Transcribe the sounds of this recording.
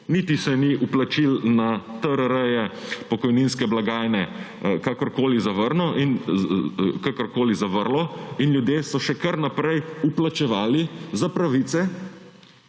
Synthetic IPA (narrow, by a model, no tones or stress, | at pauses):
niːt̪isɛniʔuplat͡ʃilnat̪əɾəɾəjɛpɔkɔjninskɛblaɡaːjnɛ | kakɔɾkoːlizaʋəɾnɔʔin | kakəɾkoːlizaʋəɾlɔinljud̪jeːsɔʃɛkəɾnapɾɛjuplat͡ʃɛʋaːlizapɾaʋit̪sɛ